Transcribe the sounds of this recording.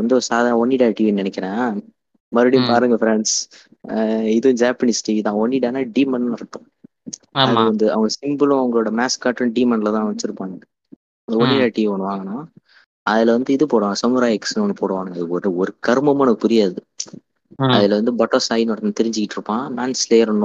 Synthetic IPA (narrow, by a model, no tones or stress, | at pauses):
ɐnd̪ɯsaːðaːnɐɔnːiɽaːʈiːʋinɪnɛkʲːɪɾẽː | mɐɾɯɽipaːɾɯŋɡɐfɾɛɳɖs | ɪðɐ̃d͡ʒaːpɐnisʈiːʋit̪ãːɔnːiɽaːnaːɖiːmɐnnɾɐkːʊ̃ | ɐðɐɐʋɐnd̪ɯɐ̰ʋɐŋɡɐsɪmbɯlʊ̃ɐʋɐŋɡɐɭoːɽɐmaːskaːʈɾɯnɖiːmɐnlɐt̪ãːʋɐt͡ʃːɪɾɯpːãːŋɐ | ɔnːiɽaːʈiːʋɐɳʋaːŋɡɐnãː | ɐðɪlɐʋɐnd̪ɯɪðɯpoːɽɐʋaːŋɡɐsɐmʊɾaːjɛksnɐnːɯpoːɽɐʋaːŋɡɐnãɪðɯkɔɾɯɔɾɯkɐɾɯmɐmɐnɐkːɯpʊɾɪjaːðɯ | ɐðɪlɐʋɐnd̪ɯbɐʈːosaːjnɔɽɐnat̪ɛɾɪɲd͡ʒɪkɪʈːɪɾɯpːãːmaːnslejɐɾɳːʊ̃